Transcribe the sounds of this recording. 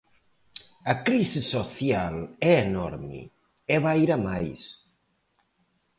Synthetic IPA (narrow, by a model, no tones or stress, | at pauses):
ɐkɾisisoθjalɛenɔ̰ɾmḭ | ɛβaiɾamajs